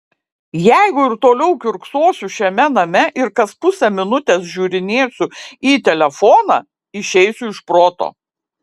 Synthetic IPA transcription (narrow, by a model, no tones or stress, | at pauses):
jæɪɡʊɪɾt̪oːlʲɛʊkʲʊɾksoːsʲʊʃʲɛmʲɛnɐmʲɛʔɪɾkɐspʊsʲɛmʲɪnʊt̪ʲeːsʒʲuːɾʲɪnʲeːsʲʊiːt̪ʲɛlʲɛfɔːnɑ | ɪʃʲɛɪsʲʊɪʃpɾoːt̪o̰ː